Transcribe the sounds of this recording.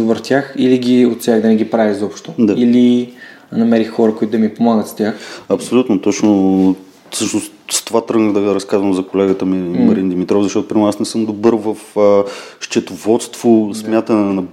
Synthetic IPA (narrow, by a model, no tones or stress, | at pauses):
obəɾt̪ʲaxiliɡʲiot̪sʲjaɡd̪ɐnɛɡʲipɾavizɔpʃt̪od̪aili | nɐmɛɾixːɔɾəkoʊit̪ʊd̪ɐmipomaɡət̪st̪ʲjaxɐpsolʲut̪not̪ɔt͡ʃno | fsɤʃnost̪st̪ovat̪ɾəɡnəd̪ɐɾɐskazvəmzɐkolɛɡət̪əmimɐɾind̪imit̪ɾɔvfzɐʃt̪ɔt̪ʊpɾimɾasnɛsɤmd̪obɤɾvəfəʃt͡ʃɛt̪ʊvɔt̪st̪vosmʲjat̪ənnɐ